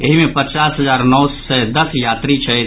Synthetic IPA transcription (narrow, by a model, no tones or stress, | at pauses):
eɦimepət͡ʃasɦəd͡ʒaɾnəwsəd̪əsjat̪ɾit͡ʃʰɛ